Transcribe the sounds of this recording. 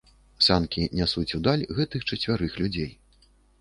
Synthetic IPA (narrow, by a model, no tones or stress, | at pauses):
sʲankʲinʲasut͡sʲud̪alʲɣɛt̪ɨxt͡ʂɐt͡sʲvʲaɾɨxlʲud͡zʲej